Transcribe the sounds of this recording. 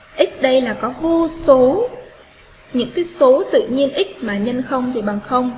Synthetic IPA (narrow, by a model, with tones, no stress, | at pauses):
ʔï˦˥k̟̚ɗə˧jlaː˨˩kɔ˨˦ɦo˧so˨˦ | ɲɨ̰˧˥ŋkaː˨˦jso˨˦t̪ɨ̰˧˨ɲi˧ənʔi˦˥k̚maː˨˩ɲə˧nxə˧wŋ͡mt̪ʰi˨˩ɓaː˨˩ŋxə˧wŋ͡m